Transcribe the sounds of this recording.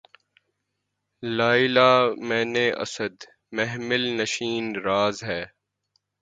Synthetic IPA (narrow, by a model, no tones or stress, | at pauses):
laːɪlaːmɛ̃ːneːʔɐ̰səd̪ | mɛɦmɪlnɐʃiːnɾaːzɦɛː